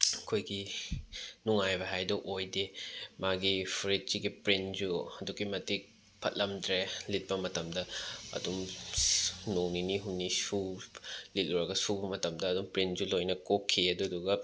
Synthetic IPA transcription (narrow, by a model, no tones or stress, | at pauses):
kʰojɡi | nuŋajbɐɦajdɔʔojdemaɡipʰɾit̚t͡ʃiɡipɾind͡ʒuɐdukimɐtik̚ | pʰɐ̰t̚lɐmdɾelit̚pɐmɐtɐmdɐɐ̰dum | noŋniniɦunnisu | lit̚luɾɐɡɐsubɐmɐtɐmdɐːdumpɾind͡ʒulojnɐkokʰːiɐduduɡɐ